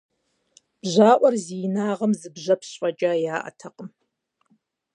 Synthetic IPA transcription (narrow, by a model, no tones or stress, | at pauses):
b̥ʑaːʔʷɔrziːnaːʁɐmzɨbʑɐpʰɕʼɐt͡ʃʼaːjaːʔɐ̰tʰɐqəm